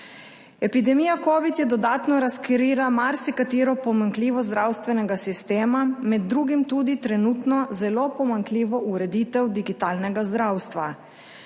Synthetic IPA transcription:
ɛpid̪ɛmiːjakoːʋit̪jɛd̪ɔd̪aːt̪nɔɾaskɛɾiːɾamaɾsikat̪iːɾɔpɔmaŋkliːʋɔzd̪ɾawst̪ʋɛnɛɡasist̪eːmamɛd̪ːɾuːɡimt̪ud̪it̪ɾɛnuːt̪nɔzɛloːpɔmaŋkliːʋɔʔuɾɛd̪iːt̪ɛwd̪iɡit̪aːlnɛɡazd̪ɾawst̪ʋa

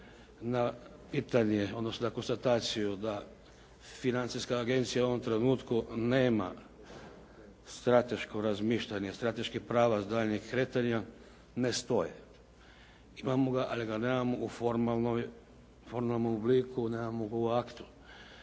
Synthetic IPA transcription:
napiːt̪aɲeod̪nosnonako̞nst̪at̪aːt̪sijud̪a | finant̪siskaːɡe̞nt̪sijauo̞ʋo̞mt̪ɾenuːt̪kuneːma̰ | st̪ɾat̪e̞ʃko̞ɾazmiːʃʎaɲest̪ɾat̪e̞ʃkixpɾaːʋazd̪aːʎɲixkɾe̞t̪aɲa | nest̪o̞jḛ | imamo̞ɡaʔaliɡanemamoufoɾmalnoj | foɾmalnomubliːkʰuneːmamoɡauakt̪u̥

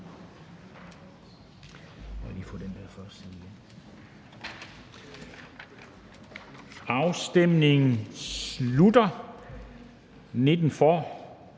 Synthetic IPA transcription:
ɒliːfɔ̰ːd̥end̥æɐfɒseð̥en | ɑ̈ʊsd̥emne̝ŋn̩sludɐ | ne̝d̥n̩fɒː

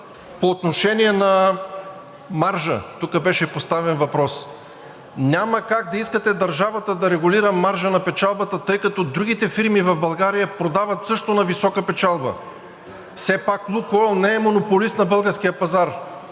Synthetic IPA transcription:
poːt̪noʃɛniɛnɐ | maɾʒə̰t̪ukəbɛʃɛpost̪avɛnvɐpɾɔs | nʲaməkaɡ̚d̪ɐiskət̪ɛd̪ɐɾʒavɐt̪əd̪ɐɾɛɡʊliɾəmaɾʒənɐpɛt͡ʃalˠbɐt̪ət̪ɤjkɐt̪ɔd̪ɾuɡ̟it̪ɛfiɾmivɐvbɐlˠɡaɾijəpɾod̪avɐt̪sɤʃt̪onɐvisɔkəpɛt͡ʃalˠbə̰ | fsɛpaklˠukɔlˠnɛːmonopolist̪nɐbɤlˠɡəɾskijəpɐzaɾ

